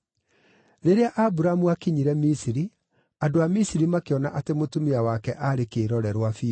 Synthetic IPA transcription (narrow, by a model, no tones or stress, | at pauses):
ɾeɾeaʔabuɾamuakiɲiɾɛmisiɾi | andoamisiɾimakeɔnaʔatemotumiawakɛʔaɾekeːɾɔɾɛɾwafi